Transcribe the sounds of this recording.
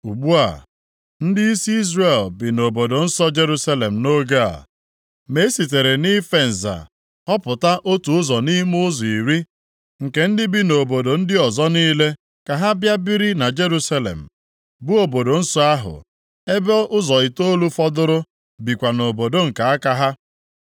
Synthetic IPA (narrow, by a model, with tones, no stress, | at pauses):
u˨ɡ͡bu˦a̰˨ | n̩˦dɪ˦i˦si˦i˦zre˨lbi˨no˨bo˨do˨n̩˦sɔ˦d͡ʒe˦ɾu˦sa˦le˨m̩˨no˦ɡa˦a̰˨ | me˨˦si˨t̬e˨ɾe˨ni˦fe˦n̩˨za̰˨ | ɔ˦pʊ˨ta˦ʔo˦tu˨ʊ˦zɔ˨ni˦mʊ˦zi˨ɾi˦ | ŋ̩˨ke˨n̩˦dɪ˦bi˦no˨bo˨do˨n̩˦dɪ˦ɔ˨zɔ˦niː˦le˦ | ka˨ɦa˦bja˦bi˦ɾi˦na˨d͡ʒe˦ɾu˦sa˦lḛ˨m̩˨ | bʊ˦o˨bo˨do˨n̩˦sɔ˦a˦ɦʊ̰˨ | e˦be˦ʔʊ˦zɔ˨i˨to˦lu˦fɔ˦dʊ˦ɾʊ˦ | bi˨kʷa˨no˨bo˨do˦ŋ̩˨ka˨a˦ka˦ɦa˦